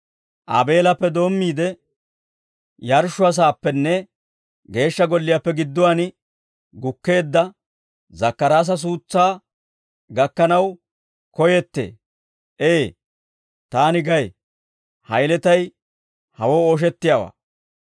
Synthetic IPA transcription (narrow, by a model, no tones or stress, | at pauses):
ʔɐbe̞ːlɐpːɛd̪o̞ːmːiːd̪ɛ | jɐɾʃʊɐs̬aːpːɛnːɛ | ɡe̞ːʃːɐɡɔlːɪjapːɛɡɪd̪ːʊwanɪ | ɡʊkːe̞ːd̪ːɐ | zɐkːɐɾaːs̬ɐs̬uːt͡sːaː | ɡɐkːɐnɐw | kɔjɛt̪ːḛː | ʔeː | t̪aːnɪɡɐj | hɐjlɛt̪ɐj | hɐwoːoːʃ̬ɛt̪ːɪjawa̰ː